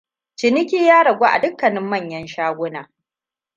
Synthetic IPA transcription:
t͡ʃɪ˨nɪ˦kʲiː˦jaː˦ɽɐ˨ɡʷo˦ʔa̰˨dʊ˦kːɐ˨nɪ˦mːɐ˦˨ɲjɐ˦nʃaː˦ɡʷʊ˦naː˨

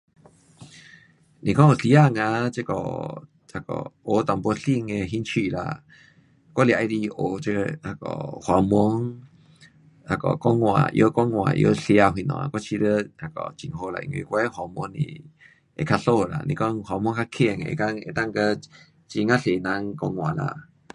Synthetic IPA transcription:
nĩ˨kɔ˦˨ŋ˨˧ɬi˧˦a˦˨ŋã˧˦t͡ʃe˦kɔ̰˨ | ha˧kɔ̰˨o˨˦t̪a˨mpo˧˦ɬi˧˨ŋe˧ɦi˦nt͡ʃʰi˧˨la̰˨ | kʷɔ˦lja˧ʔe˧ɾi˧ʔo˨t͡ɕe˧ha˧kɔ̰˨hwa˨˦mɔ˦ŋ | ha˧˨kɔ̰˨kɔ˦ŋwã̰˨ʔjo˦kɔ˦ŋw̃a̰˨ʔjo̰˧˦ɬja˧ɦwi˧˨nɔ̰̃˨a˨kɔ˦t͡ʃʰi˧ɾə˦ha˧˨kɔ̰˨t͡ʃi˨ŋɦo˧la̰˨ḭ˨ŋ˧ḭ˧˦kʷɛ˦hwa˧mɔ̃˧˦ŋnḭ̃˧˨ | e˧˨kʰa˧ɬo˦˧˨la̰˨nḭ̃˨kɔ˦ŋhwa˧m˧ɔ̃˧˦ŋka˧kʰe˧˨ŋ˨ḛ˧˨ka˦ŋḛ˧˨t̪a˦˧˨ŋkə˧ | t͡ʃi˧ŋã˦˨ɬe˨nã˧ŋkɔ˧ŋ̃˧ã˨la̰˨

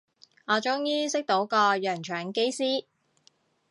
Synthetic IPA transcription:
ŋɔː˨˧t͡ʃʊ˥ŋjiː˥sɪ˥k̚t̪o˨˥wkɔː˧jœː˨˩ŋt͡ʃʰœː˨˩ŋke˥jsiː˥

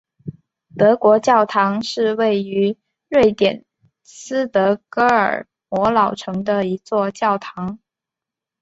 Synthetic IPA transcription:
t̪ɤ˧˥kwɔ˧˥t͡ɕjɑ˥˩ʊt̪ʰɑ˧˥ŋʂɻ̩˥˧we˥˩ɪy˧˥ | ɻwe˥˩ɪt̪jɛ̰˨˩n | sɹ̩˥t̪ɤ˧˥kɤ˧˥ə̰˞˨˩ | mwɔ˧˥lɑ˨˩ʊʈ͡ʂʰɤ˧˥ŋd̪ə˧i˧˥t͡swɔ˥˧t͡ɕjɑ˥˩ʊt̪ʰɑ˧˥ŋ

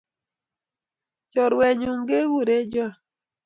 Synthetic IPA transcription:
t͡ʃɔ˨ɾwɛ˨ɲu˨ŋɡe˦wu˦˨ɾe˦d͡ʒɔ˦˨

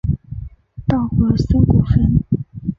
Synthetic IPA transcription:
t̪ɑ˥˩ʊxɤ˧˥sə˥˩ku˥˩fə˥n

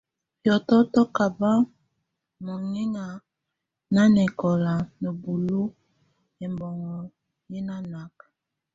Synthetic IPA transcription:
pjɔ˨tɔ˦tɔ˦ka˨ba˦ | mo˨ŋi˦ŋa˨ | na˦nɛ˨kɔ˨la˨no˨bu˨lu˦ | ɛ˨mbɔ˨ŋɔ˨ | ji˦na˦na˨k

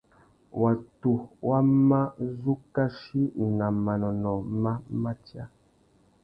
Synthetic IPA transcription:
wa˨tu˨wa˦ma˦zu˦ka˦ʃi˦˨na˨ma˨nɔ˨nɔ˨ma˦ma˦tja˦

